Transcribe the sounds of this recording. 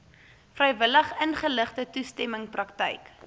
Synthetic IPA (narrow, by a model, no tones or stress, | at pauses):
frəjvələχənχələχtətustɛməŋprɐktə̰jk